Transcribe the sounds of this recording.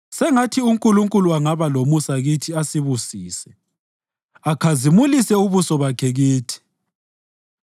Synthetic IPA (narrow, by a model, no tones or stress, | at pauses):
sɛŋatʰiuŋkʼuluŋkʼuluaŋaβalomusaɣitʰiasiβusiːsɛ | akʰazimulisɛuβusɔβakʰɛɣiːtʰi̥